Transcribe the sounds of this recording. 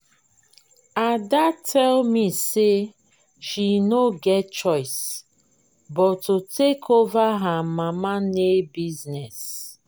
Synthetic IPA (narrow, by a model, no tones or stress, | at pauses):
adatʰɛlmise | ʃinoɡɛt̚t͡ʃɔɪs | bɔtotekʰovaɦamãmanebiznɛs